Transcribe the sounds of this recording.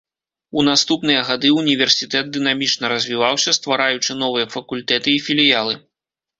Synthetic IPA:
unast̪upnɨjɐɣad̪ɨunʲivʲɛrsʲit̪ɛt̪̚d̪ɨn̪amʲit͡ʂnɐɾɐzʲvʲivawsʲɐst̪vaɾajut͡ʂɨn̪ɔvɨjɐfɐkulʲt̪ɛt̪ɨifʲilʲijalˠɨ

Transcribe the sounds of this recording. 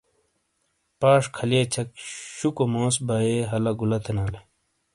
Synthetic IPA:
paːʂkʰɐliet͡ɕʰɐk̚ɕukomoːsbaːeɦɐlɐɡulɐt̪ʰenaːle

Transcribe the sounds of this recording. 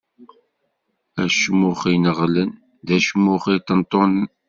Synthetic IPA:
æʃmʊχinəʁlən | ðæʃmːʊχit̪ːənt̪ˤːonən

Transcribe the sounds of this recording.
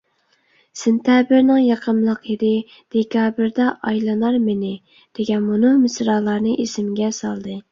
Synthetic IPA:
sɪnt̪ʰɛbɪɾnɪŋjɑqʰəmlˠəqjiɾɪ | d̪̥ekʲʰɑːbɪɾd̪ɑʔɑjlˠɨnɑɾmenɪ | d̪̥eɡʲɛnmunɨŋmɪsɾɑːlˠɑɾnɨʔesɪmɡʲɛsɑlˠd̪ɨ

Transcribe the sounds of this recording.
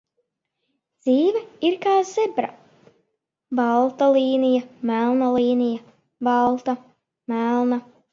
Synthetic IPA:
d̪z̥iːvɛiɾkaːz̥ɛbɾa̰ | balˠt̪aliːnijamælˠnalˠiːnija | balˠt̪a | mælˠna

